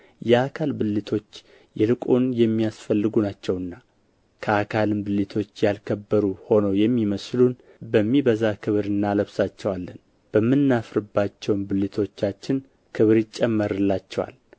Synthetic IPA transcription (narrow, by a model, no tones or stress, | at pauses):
jɛakʰalbɨlːit̪ʰo̞t͡ʃː | jɛlɨkʼunjɛmːijasfəlːɨɡunat͡ʃːɛwɨnːa | kʰəakʰalɨmbɨlit̪ʰo̞t͡ʃːjalkʰəbːəɾuho̞nowjɛmːiməslun | bəmːibəzakʰɨβɾɨnːaləβsat͡ʃːɛwalːən | b̥əmːɨnːafɾɨbːat͡ʃːɛwnbɨlːit̪ʰo̞t͡ʃːat͡ʃːɪn | kʰɨβɾɪt͡ʃʼːɛmːəɾɨlːat͡ʃːɛwa̰l